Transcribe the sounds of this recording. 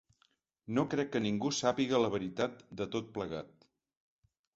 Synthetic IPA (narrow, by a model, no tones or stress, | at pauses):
nokɾɛkːəniŋɡusapiɣələβ̞əɾit̪at̪̚d̪ət̪ot̪̚pləɣa̰t̪̚